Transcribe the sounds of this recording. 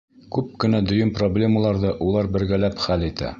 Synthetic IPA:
kʉp̚kɘ̆næd̪ɵ̆jɤnproblʲe̞məlˠɑɾðɤʔulˠɑɾbɘ̆ɾɡælæpχælit̪æ̰

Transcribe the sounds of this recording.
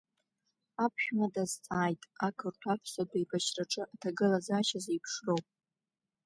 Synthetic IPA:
apʰʃᶣmadazt͡sʼaːjtʼakʰɨrtʷʰapʰsadʼajbat͡ʃraʈ͡ʂʼɨʔatʰaɡɨlazaːʃazejpʰʂro̞wpʼ

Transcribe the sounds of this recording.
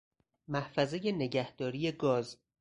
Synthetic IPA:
mæhfæze̞je̞ne̞ɟæhd̪̥ɒːɾije̞ɡɒːz

